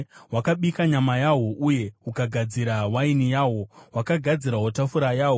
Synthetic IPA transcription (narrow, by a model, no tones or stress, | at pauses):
wakaɓikaɲamajawo̞ʔuje̞ukaɡʱad͡ziɾawainijaːwo̞wakaɡʱad͡ziɾaɦotafuɾajaːwo